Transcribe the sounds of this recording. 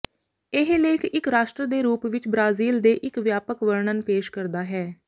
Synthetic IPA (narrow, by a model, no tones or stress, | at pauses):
ɪɦleːɪkʰɪkɾaːʃʈɾəd̪eːɾuːpʋɪt͡ʃbɾaːziːld̪eːʔɪkʋjaːpəkʋəɾɳənpeːʃkəɾd̪aːɦɛː